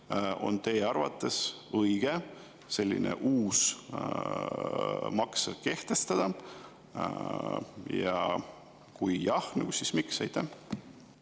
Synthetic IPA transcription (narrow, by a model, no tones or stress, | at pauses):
ʔo̞̰nt̪e̞ːɑrvɑ̰t̪ːˑe̞s | ɤjɡ̥e̞ | se̞lʲːḭnʔḛʔuːs | mɑkseke̞ht̪e̞st̪ɑd̪̥ɑ | jɑ̰ | kujjɑhnɑɡ̥usismiksɑjt̪ːˑæ